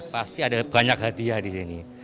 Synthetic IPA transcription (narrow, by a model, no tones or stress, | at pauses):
past̪iadabaɲak̚ɦat̪iadisini